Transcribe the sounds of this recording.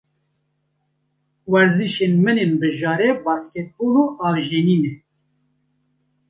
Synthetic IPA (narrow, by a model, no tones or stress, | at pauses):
wɛɾziʃenmɨneːnbɨʒɑːɾɛbɑːskʲɛt̪̚boːloːɑːvʒeːniːnɛ